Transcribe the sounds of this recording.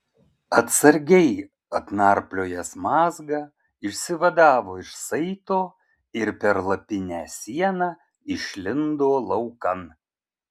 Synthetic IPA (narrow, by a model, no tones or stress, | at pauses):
ɐt̪sɐɾʲɡʲɛɪ | ɐt̪nɑɾplʲoːjɛsmɑːzɡɐ | ɪʃʲsʲɪʋɐd̪ɑːʋoːɪʃsɐɪt̪oː | ɪɾpʲɛɾlˠɐpʲɪnʲæːsʲiɛnɑː | ɪʃʲlʲɪnd̪oːlˠɐʊkɐn